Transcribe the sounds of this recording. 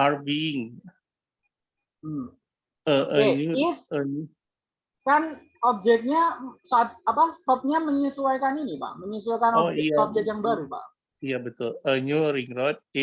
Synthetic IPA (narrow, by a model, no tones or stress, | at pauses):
arbiŋ | əəɛɲuisəɲu | kan | ɔp̚d͡ʒɛk̚ɲasap̚apast̪ɔp̚ɲaməɲəsuajkaninipa̰ʔməɲəs̬uajkanɔɛɔp̚d͡ʒɛk̪̚jaŋbaɾupa̰ʔ | ijabət̪ʊləɲuɾiŋɾɔt̪̚